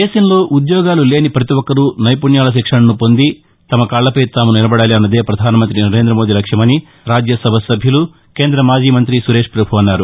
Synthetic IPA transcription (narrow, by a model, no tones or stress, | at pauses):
eːsɐnlo̞ːʔud̪jɔːɡaːlule̞ːnipɾɐt̪iwɔkːɐɾunɐjpuɳjaːlɐʃ̬ikʂɐɳɐnupo̞nd̪i | t̪ɐmɐkaːɭlɐpɐjt̪aːmunilɐbɐɽaːliɐnːɐd̪e̞ːpɾɐd̪ʱaːnɐmɐnt̪ɾinɐɾe̞ːnd̪ɾɐmoːd̪ilɐkʂjɐmɐni | ɾaːd͡ʒjɐsɐbʱɐsɐbʱjɐlu | ke̞ːnd̪ɾɐmaːd͡ʒiːmɐnt̪ɾisuɾe̞ːʂpɾɐbʱuɐnːaːɾu